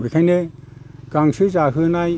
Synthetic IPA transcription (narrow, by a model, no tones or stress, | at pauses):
ɡikʰajneɡ̥aŋsɯzaɦɯnaj